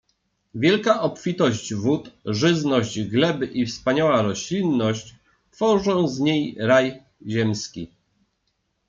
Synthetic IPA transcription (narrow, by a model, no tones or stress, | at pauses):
vʲjɛlkaʔɔpfʲit̪ɔʑd͡ʑvut̪ʐɘznɔʑd͡ʑɡlɛbɘʔifspaɲawaɾɔɕlʲinːɔɕt͡ɕ | t̪fɔʐɔ̃w̃zɲejɾaj | ʑɛmskʲi